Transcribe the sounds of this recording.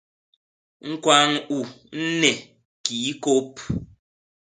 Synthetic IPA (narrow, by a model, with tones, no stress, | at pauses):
ŋ̩˦kwa˦ŋu˨n̩˦nɛ˨ | kiː˨˦ko˦p̚